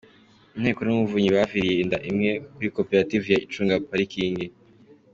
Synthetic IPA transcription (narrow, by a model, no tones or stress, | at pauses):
un̥heːkonumuvuɲiβafiɾijendaʔimŋe̞kuɾiko̞peɾativujait͡ʃuːŋɡapaɾikʰiːndi